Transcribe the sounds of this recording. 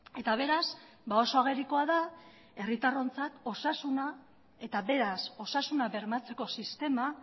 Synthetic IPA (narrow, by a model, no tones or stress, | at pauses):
e̞t̪aβ̞e̞ɾaz | bao̞so̞aɣe̞ɾiko̞aða | e̞rit̪aro̞nt͡sat̪o̞sasuna | e̞t̪aβe̞ɾaso̞sasunaβe̞ɾmat͡se̞ko̞sist̪e̞ma